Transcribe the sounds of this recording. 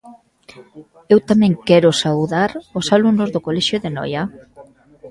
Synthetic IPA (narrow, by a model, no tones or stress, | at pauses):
ewt̪amɛ̃ŋkɛɾʊsawðaɾosaluŋnʊzðokolɛʃjoðenɔ̰ja